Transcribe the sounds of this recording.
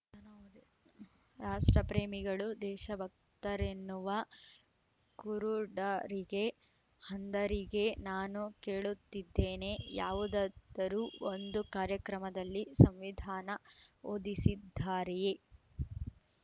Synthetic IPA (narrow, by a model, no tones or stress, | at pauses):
nɐn | ɾaːʂʈɾɐpɾeːmiɡɐɭud̪ɛːʃɐbʱɐk̚ | t̪ɐɾenːuʋɐ | kuɾuɖɐɾiɡe̞ | hɐnd̪ɐɾiɡe̞naːnuke̞ːɭut̪ːid̪ːeːne̞jaːʋud̪ɐd̪ɐɾuːond̪ukaːɾjɐkɾɐmɐd̪ɐlːisɐmʋid̪ʱaːnɐoːd̪isid̪ʱːaːɾ